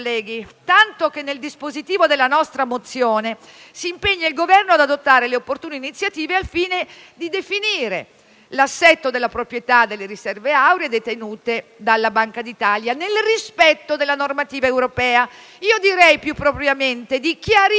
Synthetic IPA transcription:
lːɛːɡit̪ant̪okenːeld̪ispozit̪iːvod̪elːanɔst̪ɾamot̪sːjoːnesiːmpeɲːailɡovɛrnoad̪ad̪ot̪ːaːɾeleopːort̪uːninit̪sːjat̪iːvealfiːned̪id̪efiniːɾe | lasːɛt̪ːod̪elːapɾopɾjet̪ad̪ːelːeɾisɛrveawɾed̪et̪enuːt̪ed̪alːabaŋkad̪it̪aljanelrispɛt̪ːod̪elːanormat̪iːvaewɾopɛːa | iːod̪iɾɛjpjupːɾopɾjament̪ed̪ikjaɾ

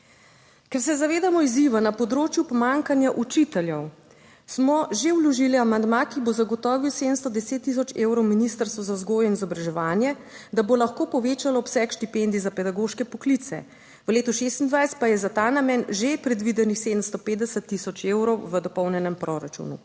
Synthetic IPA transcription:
kɛɾsɛzaʋeːd̪amɔiziʋanapɔd̪ɾoːt͡ʃjupɔmaŋkanjaʔut͡ʃit̪ɛljɛw | smɔʒeuwlɔʒiliamand̪makibozaɡɔt̪ɔːʋiwseːd̪əmst̪ɔd̪ɛseːt̪ːis̬ɔt͡ʃewɾɔwminist̪əɾst̪ʋɔzazɡoːjɛinizɔbɾaʒɛʋaːnjɛ | d̪abolaxkoːpɔʋeːt͡ʃalɔːpsɛkʃt̪ipend̪izapɛd̪aɡoːʃkɛpɔklit̪sɛ̰ | ʋəleːt̪uʃest̪ind̪ʋajst̪̚pajɛzat̪anamɛnʒepɾɛd̪ʋid̪ɛnixseːd̪əmst̪ɔpeːt̪d̪ɛsət̪ːisɔt͡ʃeːwɾɔwʋəd̪ɔpɔwnjɛnɛmpɾɔɾat͡ʃṵnṵ

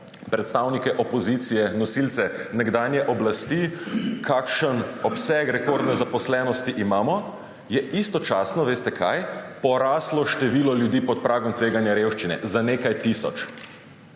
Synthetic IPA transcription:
pɾɛt̪st̪awnikɛʔɔpɔzit̪sijɛnɔsilt̪sɛnɛɡd̪anjɛʔɔblast̪ikʰaːkʃənɔpsɛkɾɛkoɾd̪nɛzapɔslɛːnɔst̪iʔimaːmɔ | jɛist̪ɔt͡ʃaːsnɔʋeːst̪ɛkʰa̰jpɔɾaːslɔʃt̪ɛʋiːlɔljud̪iːpɔt̪̚pɾʔaːɡɔmt̪ʋeːɡanjaɾewʃt͡ʃinɛ̰zaneːkajt̪isɔ̰t͡ʃ

